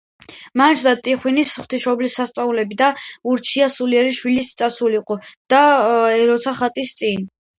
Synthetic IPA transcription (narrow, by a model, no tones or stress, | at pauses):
mant͡ʃʰd̪at̪ʼiχwinisχwt̪ʰiʃɔblisːast̪sʼaulɛbid̪auɾt͡ʃʰiasuliɛɾiʃwilist̪sʼasuliqʼɔd̪̥aɛɾɔt̪sʰaχat̪ʼist̪sʼin